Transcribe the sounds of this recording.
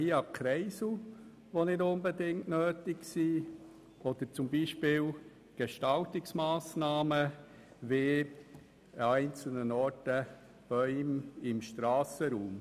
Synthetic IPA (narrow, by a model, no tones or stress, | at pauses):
hiːɑkʰɾɛɪs̩ | ʋonɪdʊnbedɪŋtnøːtɪksiː | ɔd̥̪əɾt͡sʊmbiːʃpɪːl | ɡ̥eʃtɑltɪksmaːsnɑːmə | ve | æɪnt͡sl̩nənɔɾtə | b̥œʏmɪmʃtɾɑːsəɾuːm